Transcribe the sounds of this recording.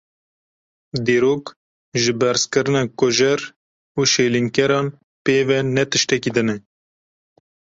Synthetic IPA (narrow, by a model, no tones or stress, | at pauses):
d̪eːɾoːk | ʒɨbɛɾzkɨɾɨnɑːkoʒɛɾ | uːʃeːliŋkɛɾɑːn | peːvɛnɛt̪ɨʃt̪ɛkid̪ɨnɛ